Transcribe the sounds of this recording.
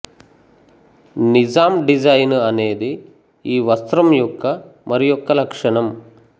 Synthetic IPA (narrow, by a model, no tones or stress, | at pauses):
nid͡ʒaːmɖid͡ʒɐjnɐneːd̪i | iːʋɐst̪ɾɐmjɔkːɐmɐɾijɔkːɐlɐkʂɐɳɐm